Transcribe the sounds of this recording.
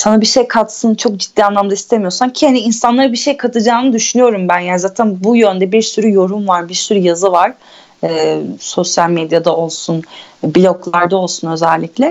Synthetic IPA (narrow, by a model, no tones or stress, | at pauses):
sanabiʃe̞jkʰat̪sɯnt͡ʃʰo̞k̚d͡ʒid̪ːiːanlˠamd̪aist̪ʰe̞mijo̞samcʰihaniːnsanlˠaɾɯbiʃe̞jkʰat̪ʰɯd͡ʒaːnɯd̪yʃynyjo̞ɾumbænjanizaːt̪ʰænbujønd̪ɛbiɾsyɾyjo̞ɾumvaɾbiɾsyɾyjazɯvaɾ̥ | ɛːso̞sjalʲmed̪jad̪ao̞lˠsun | bilʲo̞klˠaɾd̪ao̞lˠsunø̞zɛlʲːiclʲɛ